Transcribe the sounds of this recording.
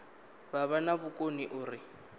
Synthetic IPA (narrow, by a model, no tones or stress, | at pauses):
baβanaβʊkʼoniʔʊːrɪ